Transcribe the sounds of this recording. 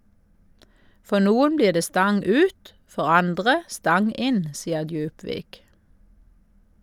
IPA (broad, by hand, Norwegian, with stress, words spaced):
ˈfɔ ˈnuːʊn ˈbliːʁ ˈdeː ˈstɑŋ ˈʉːt ˈfɔʁ ˈɑndʁə ˈstɑŋ ˈɪn ˈsiːə ˈdjʉːpʋiːk